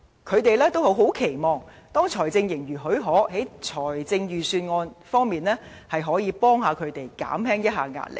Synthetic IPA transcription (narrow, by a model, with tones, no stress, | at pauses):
kʰɵ˨˧ɥt̪e˨jlɛː˥t̪o˥who˨˥wɦo˨˥wkʰe˨˩jmɔː˨ŋ | t̪ɔː˥ŋt͡ʃʰɔː˨˩jt͡sɪ˧ŋjɪ˨˩ŋjyː˨˩ɦɵ˨˥ɥɦɔː˨˥he˨˥jt͡ʃʰɔː˨˩jt͡sɪ˧ŋjyː˨syː˧nŋɔː˧nfɔː˥ŋmiː˨nlɛː˥ | hɐ˨jɦɔː˨˥jiː˨˧pɔː˥ŋhaː˨˧kʰɵ˨˧ɥt̪e˨jka̰ː˨˥mhɛː˥ŋjɐ˥t̚ɦa̰ː˨˧ŋa̰ː˧˥t̚lɪ̰˨k̚